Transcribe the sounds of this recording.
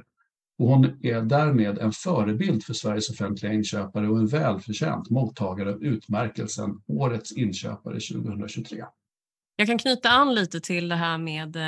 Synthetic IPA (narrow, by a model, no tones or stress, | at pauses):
ɔhʊnæɖæːɾmeːd̪ɛnfœːɾəbɪld̪fœʂvæɾjəsɔfɛnt̪lɪɡaɪnːɕøːpaɾəɔɛnvɛːlfœɕɛ̰ːnt̪muːt̪ʰːɑːɡaɾəavʉ̟ːt̪mæɾkəlsə̰noːɾət̪sɪnːɕø̰ːpa̰ɾə̰ɕʉ̟̰ːɡəhɵnɾaɕɵɡt̪ʰɾḛː | jɑːɡkʰankʰnyːt̪aanːliːt̪ət̪ʰɪld̪ɛɦæːɾmeːd̪